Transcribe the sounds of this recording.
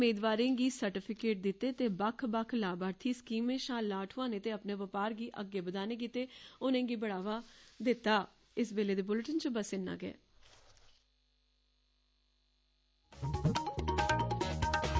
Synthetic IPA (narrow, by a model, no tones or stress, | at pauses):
meːd̪ʋaːɾẽɡiːsəɾʈɪpʰɪkeːʈ̚d̪ɪt̪ːeːt̪eːbəkʰbəkʰlaːbaːɾt̪ʰiːskiːmẽːʃãːlaːʈʰʊãːnẽːt̪eːəpneːʋəpaːɾɡiːʔəɡːeːbəd̪aːneːk̬iːt̪eːʊnẽːɡiːbəɽaːʋaːd̪ɪt̪ːaː | ɪsbeːleːd̪eːbʊlʈənt͡ʃəbəsɪnːa̰ːɡɛ̰ː